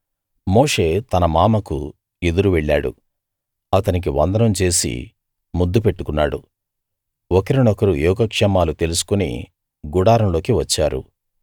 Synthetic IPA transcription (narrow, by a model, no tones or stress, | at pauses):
mo̞ːʂe̞ːt̪ɐnɐmaːmɐkṵ | e̞d̪uɾuʋɛɭːaːɽṵ | ɐt̪ɐnik̬iʋɐ̰nd̪ɐɾɐmt͡ʃe̞ːsḭ | mud̪ːupe̞ʈːukunːaːɽṵ | ɔkɐɾinɔkɐɾujɔːkɐkʂɛmaːlut̪e̞lusu̥kunḭ | ɡuɽaːɾɐmlo̞ːkiʋɐt͡ʃːaːɾṵ